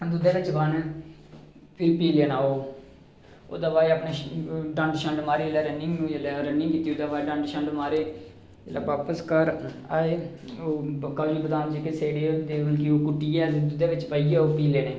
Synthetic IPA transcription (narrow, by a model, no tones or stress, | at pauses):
d̪ʊd̪aːʋɪt͡ʃban | pʰɪɾpiːleːnaːoː | o̰ːd̪aːbaːeapnaɖə̃ɳɖʃəɳɖmaːɾeːlɛːɾənɪŋɡnũːelɛːɾənɪ̃ŋkiːt̪iːoːd̪aːbaːeɖə̃ɳɖʃəɳɖmaːɾeː | ela̰ːʋaːpəskəɾ | aːeː | oːkaːd͡ʒiːbəd̪aːnt͡ʃekeseːɽeːd̪eːəlkioːkʊʈːiːɛːd̪ʊd̪eːʋɪt͡ʃpaːiːaːoːpiːleːneː